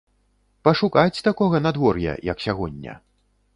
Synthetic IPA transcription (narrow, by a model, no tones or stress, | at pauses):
pɐʂukat͡sʲt̪akɔɣɐnad̪vɔrjɐ̰jɐksʲaɣɔnʲːɐ̰